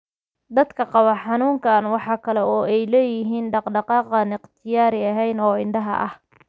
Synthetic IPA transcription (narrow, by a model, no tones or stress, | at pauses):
d̪ɐd̪kʰɐqɑβɐħɑnuːŋkʰɐnwɑħɑːkʰɐlɛɔːɛjlɛːjɪɦiːnɖɑqɖɑqɑːqɐnɪqt̪ʰɪjaːɾɪɐɦɛjnɔːɪnd̪ɐɦɐ̰ʔɐ̰h